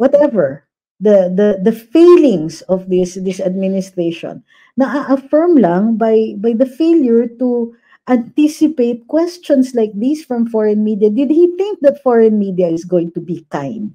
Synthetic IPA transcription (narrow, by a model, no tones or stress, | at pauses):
wɔt̪ɛvə˞ | d̪ɐd̪ɐd̪ɐfelɪ̃ŋsɔvd̪ɪsd̪ɪsɐd̪̚mɪnɪst̪ɹeʃɔ̰̃nː | ɐʔaʔɐfɛɹmlãŋbajbajd̪ɐfeljʊɹt̪u | ʔãnt̪ɪsɪpeɪt̪̚kwɛst͡ʃɔ̃nslajk̚d̪isfɹɐ̃mfɔɹɛ̃nmid̪iɐd̪ɪd̪̚hiθɪ̃ŋk̚d̪ɐt̪fɔɹɛ̃nmid̪iɐɪsɡowɪ̃ŋt̪ubikã̰j̃nd̪̚